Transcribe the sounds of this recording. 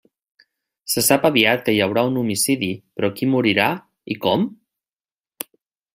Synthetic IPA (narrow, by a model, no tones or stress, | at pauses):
səsapaβiat̪̚kəjawɾaunumisiðipɾɔkimuɾiɾa | ikɔm